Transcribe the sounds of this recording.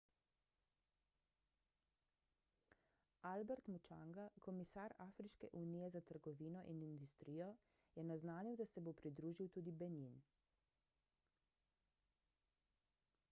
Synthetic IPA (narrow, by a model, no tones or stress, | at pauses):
albɛɾt̪mut͡ʃa̰ŋɡakɔmisaɾaːfɾiʃkɛʔuniːjɛzat̪əɾɡɔʋiːnɔʔinind̪ust̪ɾijɔ | jɛnaznaːniwd̪asɛbopɾid̪ɾuːʒiwt̪uːd̪ibɛnin